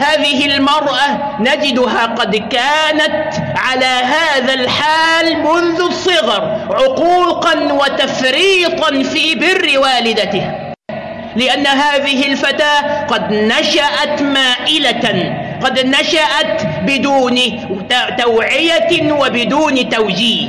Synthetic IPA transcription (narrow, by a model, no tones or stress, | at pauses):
haːðɪɦɪlmɑɾˤʔa | nad͡ʒɪd̪ʊɦaːqɑd̪kaːnat̪ʕalaːɦaːðalħaːlmʊnðʊsˤːɨɣɑɾˤʕʊquːqɑnwat̪afɾiːt̪ˤɑnfiːbɪrːɪwaːlɪd̪at̪ɪh | lɪʔanːaɦaːðɪɦɪlfat̪aːqɑd̪naʃaʔat̪maːʔɪlaqɑd̪naʃaʔat̪bɪd̪uːn | t̪awʕɪjawɪbɪd̪uːnt̪awd͡ʒiːh